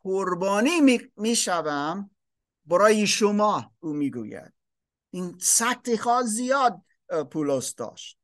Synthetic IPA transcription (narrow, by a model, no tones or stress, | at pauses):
koɾbɒːniːmimiːʃævæm | bæɾɒːjeʃomɒːuːmiːɡṵːjæ̰d̪̥̚ | insæk̚t̪ʰixɒːzijɒːd̪̚ | pʰulosd̪ɒ̰ːʃt̪̚